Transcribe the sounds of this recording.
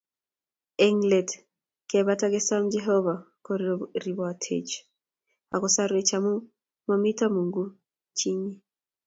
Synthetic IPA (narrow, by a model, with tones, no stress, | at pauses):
e˦ŋlɛ˨t | kɛba˦taɡe˦sa˦md͡ʒɛ˦ɦɔ˦va˨ | kɔɾɾi˨bɔ˨a˨tʰḛ˨t͡ʃ | a̰˨kɔ˨sa˦ɾwe˨t͡ʃa˨mu˦ | mami˦ta˦mu˨ŋɡu˦ | t͡ʃi˦ɲi˦